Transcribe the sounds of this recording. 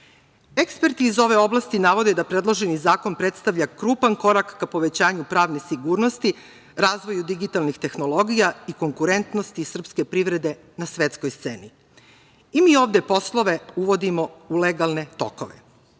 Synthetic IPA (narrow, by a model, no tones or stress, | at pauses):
ekspe̞ɾt̪iːzo̞ʋe̞o̞blˠast̪inaʋo̞d̪ed̪apɾe̞d̪lˠo̞ʒenizaːko̞npɾe̞t̪st̪aʋʎakɾuːpanko̞ɾakːapo̞ʋe̞t͡ɕaːɲupɾaːʋne̞siɡuːɾno̞st̪i | ɾaːzʋojud̪iɡit̪alˠnixt̪e̞xno̞lˠo̞ɡijaiko̞ŋkuɾe̞nt̪nost̪isr̩pske̞pɾiʋɾe̞d̪e̞ | nasʋe̞t̪skojst̪seːni | imiːoːʋd̪epo̞slˠo̞ʋe̞uʋo̞d̪imo̞uleɡalˠne̞t̪o̞̰ko̰ʋḛ